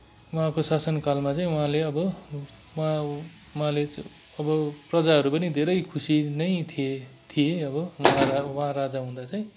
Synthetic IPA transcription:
wʌɦãkosasʌnkalmat͡saĩwuɦãleʌbʌ | wã | wɦãle | ʌbʌprʌd͡zaɦʌɾupʌnid̪ʱeɾʌjkʰusinʌjt̪ʰie | t̪ʰijeʌbʌwʌɦãawʌɦãɾad͡zaɦũd̪at͡saĩ

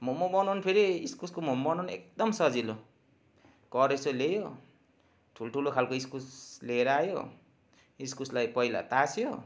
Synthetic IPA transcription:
momobʌnonpʰeɾiiskuskomombʌnanek̚d̪ʌmsʌd͡zilo | kʌɾesolejo | ʈʰulʈʰulokʰalkoiskusleɾʌajo̰ | iskuslajpʌijla̰t̪asʰjo

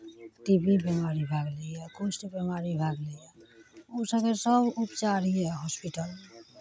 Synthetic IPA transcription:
ʈibibɛmaɾibʱaːɡleakot͡ʃʰʈibəmaɾibʱaɡleaosakesəbupt͡ʃaːɾiɛɦɔspiʈəl

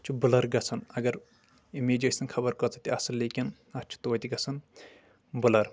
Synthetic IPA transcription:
t͡ʃʰubulɐɾɡɐt͡sʰɐnɐɡɐɾ | imeːd͡ʒeʈʲsɐnkʰɐbɐɾkɔt͡sʰɐt̪iɐsɐnleːkin | ɐt͡ʃʰu̥t̪ot̪ʲiɡɐsʰɐn | bulɐɾ

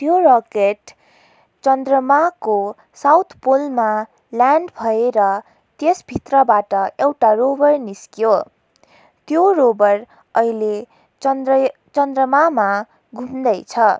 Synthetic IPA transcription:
t̪jorʌkeʈ | t͡sʌnd̪rʌmako | sawt̪ʰpolma | ljaɳɖbʱʌeɾʌ | t̪esbʱit̪rʌbaʈʌewʈarobʌrniskjo | t̪jorobʌr | ʌile | t͡sʌnd̪rʌmama | ɡʱumd̪ʌjt͡sʰʌ

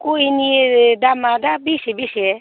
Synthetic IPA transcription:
kuiniedamadabisibisiɛ

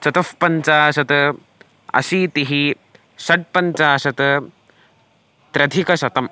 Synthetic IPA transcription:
t͡ʃɐt̪ɐfpɐɲt͡ʃaːsɐt̪ɐ | ɐ̰siːt̪iɦi | sɐʈ̚pɐnt͡ʃaːsɐt̪ɐ | t̪ɾɐd̪ʱikɐʃɐt̪ɐm

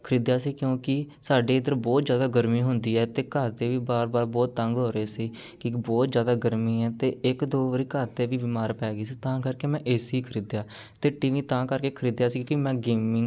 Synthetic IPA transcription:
kʰəɾiːd̪jaːsiːkjõːkɪ | saːɖeːɪd̪əɾbɔːt̪zjaːd̪aːɡəɾmiːɦʊnd̪iːɛːt̪eːkaːt̪eːʋiːbaːɾbaːɾbɔːt̪ːəŋɡɦoːɾeːsiː | kɪbɔːt̪zjaːd̪aːɡəɾmĩːɛːt̪eːɪkd̪oːʋəɾiːkaːt̪eːʋiːbɪːmaːɾpɛːɡiːsiːt̪ãːkəɾkeːmɛ̃ːʔɪsɦiːkʰəɾiːd̪jaː | t̪eːʈiːʋĩːt̪ãːkəɾkeːkʰəɾiːd̪jaːsiːkõkɪmɛ̃ːɡeːmɪŋɡ

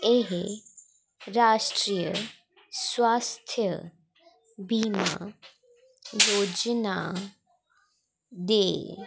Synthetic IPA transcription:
eɦe | ɾaʂʈɾijə | sʋast̪ʰjə | bʱima̰ | jod͡ʑna | d̪e

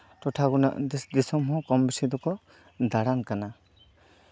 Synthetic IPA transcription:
tɔtʰaɡuna̰d̪isɔmɦɔ̃kɔmbisid̪ɔkɔ | d̪aɽankana

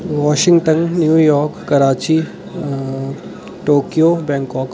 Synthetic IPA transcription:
ʋɔːʃɪ̃ŋɡʈənnjuːjɔːɾkːɐɾaːt͡ʃi | ʈoːkijobɛ̃ːŋkɔːk

